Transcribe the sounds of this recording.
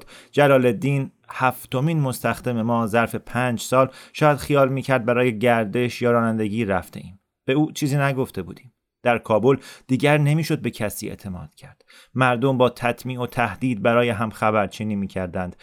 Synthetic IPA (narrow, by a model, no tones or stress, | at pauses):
d̪d͡ʒælɒːle̞d̪iːn | hæft̪o̞miːnmost̪æxd̪e̞me̞mɒːzæɾfe̞pʰæːnd͡ʒsɒːlʃɒːjæd̪̥xijɒːlmiːcʰæɾd̪̚bæɾɒːje̞ɟæɾd̪e̞ʃjɒːɾɒːnænd̪e̞ɟiːɾæft̪e̞̰ʔiːm | b̥e̞uːt͡ʃʰiːziːnæɡo̞ft̪e̞bṵːd̪iːm | d̪̥æɾkʰɒːbo̞ld̪̥iːɟæɾne̞miːʃo̞d̪̚be̞cʰæsḭːḛʔt̪ʰe̞mɒ̰ːd̪̥cʰæɾd̪̥ | mæɾd̪ombɒːt̪ʰæt̪ʰmiːo̞t̪ʰæhd̪̥iːd̪̚bæɾɒːjeɦæmxæbæɾt͡ʃʰiːniːmiːcʰæɾd̪ænd̪̥